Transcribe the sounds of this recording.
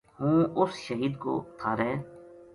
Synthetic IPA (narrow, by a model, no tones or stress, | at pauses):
ɦũːʊsʃəɦiːd̪ko̰ːt̪ʰaːɾɛː